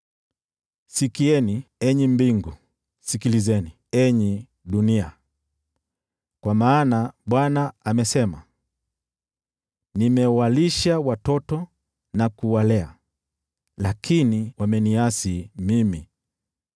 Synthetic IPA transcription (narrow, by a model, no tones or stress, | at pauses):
sikiɛniɛɲimbiŋɡu | sikilizɛni | ɛɲi | ɗunia̰ | kwamaːnaɓwanaamɛsɛma̰ | nimɛwaliʃawatɔtɔ | nakuwalɛa̰ | lakiniwamɛniasimimi